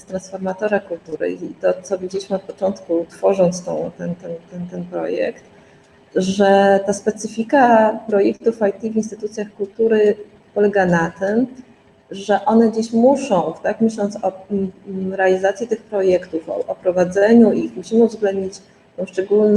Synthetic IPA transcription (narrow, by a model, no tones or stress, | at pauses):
st̪ɾansfɔɾmat̪ɔɾakult̪uɾɘ̰it̪ɔt̪sɔvʲid͡ʑelʲiɕmɘɔt̪̚pɔt͡ʂɔnt̪kut̪fɔʐɔnt̪st̪ɛ̰̃w̃t̪ɛnt̪ɛnt̪ɛnt̪ɛnpɾɔ̰jɛ̰kt̪ | ʐɛt̪aspɛt̪sɘfʲikapɾɔjɛkt̪ufajt̪ʲivinst̪ɘ̥t̪ut̪sʲjaxkult̪uɾɘ | pɔlɛɡanat̪ɘm | ʐɛʔɔnɛd͡ʑeɕmuʂɔ̃w̃t̪akmʲɘɕlɔnt̪sɔ | ɾɛalʲizat̪sʲjit̪ɘxpɾɔjɛkt̪ufɔ̰ʔɔpɾɔvad̪zɛɲuʔixmuɕimuvzɡlɛnd̪ɲit͡ɕ | t̪ɛ̃w̃ʂt͡ʂɛɡuln